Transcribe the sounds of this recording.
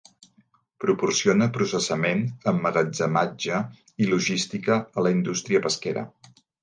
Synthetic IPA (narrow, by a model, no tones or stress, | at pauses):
pɾupursionəpɾusəsəmenəmːəɣəd͡zəmad͡ʒə | iluʒist̪ikəːləind̪ust̪ɾiəpəskeɾə̰